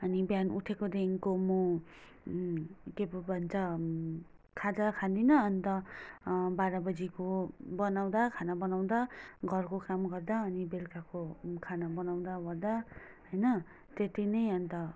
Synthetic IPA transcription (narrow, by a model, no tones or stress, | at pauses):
ʌnibjanuʈʰekod̪eŋkomo | kepbʱʌnt͡sʌ | kʰad͡zakʰad̪inʌʌnt̪ʌ | baɾabʌd͡zikobʌnaw̃d̪akʰanabʌnaw̃d̪aɡʱʌrkokamɡʌrd̪aʌnibelkakokʰanabʌnaw̃d̪abʌɾd̪a | ɦʌjnʌ | t̪et̪inʌjʌnt̪ʌ